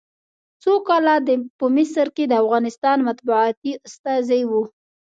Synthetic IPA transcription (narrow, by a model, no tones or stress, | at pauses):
t͡sokɑlad̪əpəmɪsəɾked̪əafɣɑnɪst̪ɑnmat̪buɑt̪iʊst̪ɑzajwu